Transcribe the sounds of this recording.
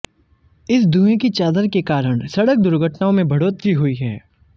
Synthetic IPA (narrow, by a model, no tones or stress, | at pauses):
ɪsd̪ʱũːẽkit͡ʃaːd̪əɾkekaːɾəɽ̃sɐɽək̚d̪ʊɾɡʱəʈnaːõmẽbʱɐɽoːt̪ɡiɦoiɦɛː